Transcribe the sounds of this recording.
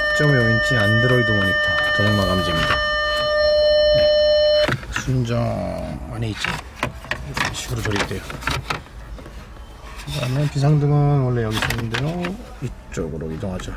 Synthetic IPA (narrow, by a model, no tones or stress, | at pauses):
kt͡ɕ͈ʌŋiɭʌɡint͡ɕ͈ʰiandɯɾʌidɯmʌɲit͈ʰakʌjoŋmaɡand͡ʑiŋida | sʰund͡ʑʌaneit͡ɕ͈i | sʰɕʰiɡɯɾot͡ɕʌɾit͈we̞jo | kɯdamʌnpisʰaŋdɯŋɯnwʌɭːejʌɡisʰʌŋindejo | it͡ɕ͈oɡɯɾoidoŋɦad͡ʑo